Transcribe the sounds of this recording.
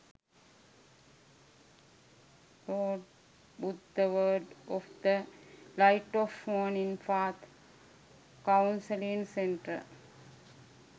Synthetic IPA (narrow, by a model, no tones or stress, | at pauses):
ɾoːɖ | bud̪ːəʋəːɖɔfd̪əlaɪʈɔfːoːnĩnfaːt̪ | kãwʊnsəlĩnsẽɳʈə̰